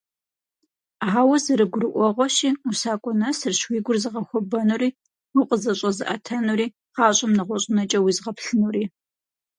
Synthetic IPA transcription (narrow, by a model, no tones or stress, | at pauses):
aːwɐzɨɾɨɡʷʊrɨʔʷɔʁʷɔʃiːusaːkʷʼɔnɐsɨrɕwiːɡʷʊrzɨʁɐxʷɔbɐnuriː | ʊqʼəzɐɕʼɐzɨʔɐtʰɐnuɾiː | qɑːɕʼɐmnɨʁʷɔɕʼɪnɐt͡ʃʼɐwiːzʁɐpɬɨnuriː